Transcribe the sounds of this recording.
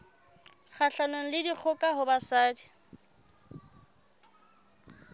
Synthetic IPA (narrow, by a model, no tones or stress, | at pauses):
χʰaɬanoŋ̩lɪdik͡xʰʊkʼaɦʊbasaːdi